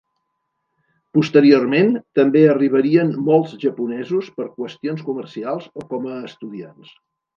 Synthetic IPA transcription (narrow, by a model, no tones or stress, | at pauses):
pust̪əɾiorment̪əmbeəriβ̞əɾiənmolˠzʒəpunɛzuspəɾkwəst̪ionskumərsialˠzokɔməːst̪uðians